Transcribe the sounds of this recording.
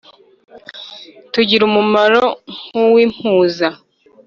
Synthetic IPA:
tuɟiɾumumaɾo̞ŋ̥uwiːm̥huːza

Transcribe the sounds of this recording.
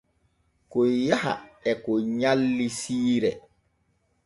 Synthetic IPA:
kɔjaha̰ɛkɔɲalːisiːɾɛ

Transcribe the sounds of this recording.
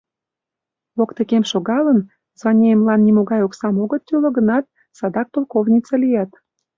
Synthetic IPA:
βokt̪ekemʃoɣɑlən | zvɑnʲeemlɑnːimoɣɑjoksɑmoɣət̪ːylə̆ɡənɑt̪̚ | sɑd̪ɑk̚p̪olˠkovnʲit͡selijɑt̪

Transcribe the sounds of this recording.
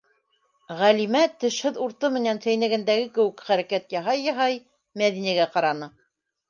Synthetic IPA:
ʁælimæt̪ɘ̆ʃhɘðuɾt̪ɤmɘ̆nænsæjnæ̆ɡɘ̆nd̪æɡɘkɘ̆wɘ̆kχæɾækæt̪jɑɦɑjːɑɦɑj | mæðinæɡæqɑɾɑnɤ

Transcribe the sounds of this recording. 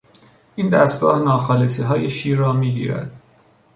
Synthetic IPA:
ʔiːnd̪æst̪̚ɡɒ̰ːhnɒːxɒːlesiːɦɒːjeʃiːɾrɒːmiːɡḭːɾæ̰d̪̥

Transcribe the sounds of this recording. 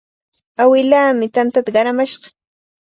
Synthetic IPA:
awɪlaːmɪt̪ant̪at̪aɢɑɾamaʃɢɑ̥

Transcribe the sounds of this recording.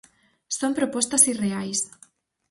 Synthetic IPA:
sompɾopɔst̪ɐsireajs

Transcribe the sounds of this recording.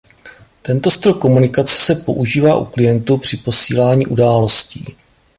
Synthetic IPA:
t̪ɛnt̪o̞st̪ɾokːo̞munɪkat͡sɛ̥sɛpo̞ʔuʒiːvaːʔuklɪjɛnt̪upr̝̥ɪpo̞siːlaːɲiːʔudaːlo̞scḭː

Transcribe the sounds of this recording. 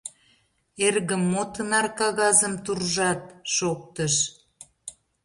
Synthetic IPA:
erɣəmːot̪ənɑrkɑɣɑzəmt̪urʒɑt̪̚ʃok̚t̪əʃ

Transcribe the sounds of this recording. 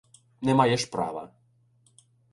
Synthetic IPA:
nɛmajɛʃpra̰ʋɐ̰

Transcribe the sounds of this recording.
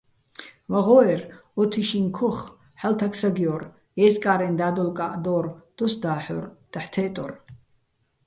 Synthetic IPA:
vaʁɔɛrɔt̪ʰiʃinkʰɔχ | ħalt̪ʰaksaɡijɔr | jɛskʼaːɾɛnd̪aːd̪ɔlkʼaʔd̪ɔːrd̪̥ɔsd̪aːħɔrd̪̥aħt̪ʰɛːt̪ʼɔ̰r

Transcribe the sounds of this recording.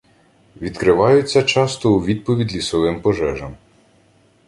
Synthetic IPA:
ʋʲid̪kɾɪʋɑjʊt͡sʲːɐt͡ʃɑst̪ɔuʋʲid̪̚pɔʋʲid̪ʲlʲisɔʋɪmpɔʒɛʒɐm

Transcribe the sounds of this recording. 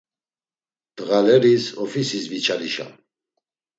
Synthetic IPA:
d̪̥ɣalɛɾisɔfisisvit͡ʃʰaliʃa̰

